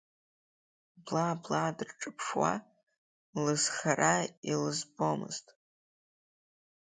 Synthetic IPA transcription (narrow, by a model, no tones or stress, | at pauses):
blablaːdrʈ͡ʂʼɨpʰʂwa̰ | lɨzχarailɨzbomɨ̰ztʼ